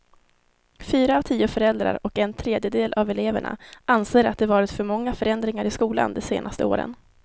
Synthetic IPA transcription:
fyːɾaːvt̪ʰiːʊfœɾɛld̪ɾa̰ɾɔkɛnt̪ʰɾeːd̪jəd̪eːlʔavɛleːvæ̰ɳa̰ʔanseːɾa̰t̪̚d̪ɛvɑːɾɪt̪fœɾmɔŋːafœɾɛnd̪ɾɪŋaɾɪskuːla̰nd̪ɛseːnʔast̪əo̰ːɾə̰n

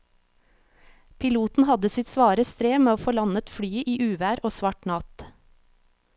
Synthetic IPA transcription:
pʰɪluːt̪n̩hɑd̪əsɪt̪sʋɑːɾəst̪ɾeːmeːoːfoːlɑnət̪fɽyːʔiːʔʉːʋæːɾoːsʋɑʈnɑt̪

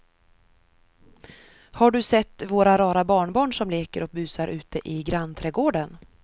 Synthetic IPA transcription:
haɖɵsɛt̪ːvoːɾaɾɑːɾabɑːɳbɑːɳʂɔmleːkəɾɔk̚bʉ̟ːsaɾʔʉ̟ːt̪əʔɪɡɾant̪ʰɾɛːɡoːɖən

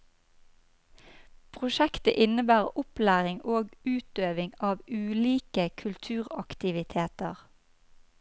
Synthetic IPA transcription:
pʰʁʊʃɛkt̪əʔɪnəbæːʁʊplæːʁɪŋoːɡʉːt̪øːʋɪŋɑːʋʉːliːkəkʰʉlt̪ʰʉːʁɑkt̪ɪʋɪt̪ʰeːt̪əʁ

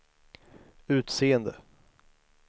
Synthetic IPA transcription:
ʉ̟ːt̪seːənd̪ə

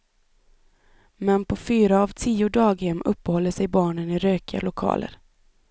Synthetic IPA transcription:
mɛnpʰɔfyːɾaːvt̪ʰiːʊd̪ɑːɡhɛmːʔɵpːəhɔlːəʂɛjbɑːɳənɪɾøːkɪa̰lʊkʰɑ̰ːlʔə̰ɾ

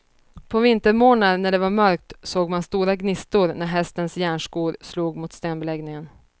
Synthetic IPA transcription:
pʰɔvɪnt̪əɾmoːnad̪næɖɛvaɾmœɾk̚t̪soːɡmanst̪uːɾaɡnɪst̪ʊɾnæɾɦɛst̪ənsjæːɳʂkuːɾsluːɡmʊt̪st̪eːnbɛlɛɡnɪŋən

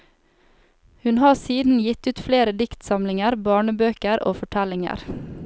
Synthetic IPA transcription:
hʉnhɑːsiːd̪n̩jɪt̪ʉːt̪fleːɾəd̪ɪkt̪sɑmlɪŋəɾbɑːɳəbøːkəɾʔo̰ːfɔʈʰɛlɪŋə̰ɾ

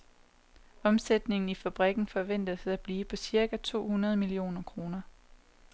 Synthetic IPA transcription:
ɒ̽msed̥ne̝ŋn̩ifæb̥ʁɛɡ̥n̩fɒ̽ʋen̰d̥əðsæb̥liːpʰɒ̽siɐɡ̥æt͡sʰo̝̰ːhunɐð̞ˠəmilio̝̰ːnɐkʰʁo̝ːnɐ

